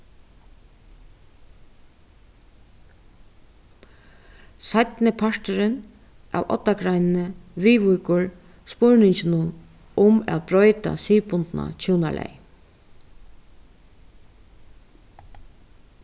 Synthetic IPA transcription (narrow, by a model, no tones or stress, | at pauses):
sajt̪nɪpʰaʂt̪ʏɾɪn | ʔa̰ːwʔɔ̰t̪ːakɾajnnəʋiːʋujkʊɹ | spʊɹnɪɲt͡ɕɪnʊn | ʊmæ̰ːt̪̚bɾɔʏt̪a̰siːpʊnt̪na̰t͡ɕʰuːna̰lʔɛ̰j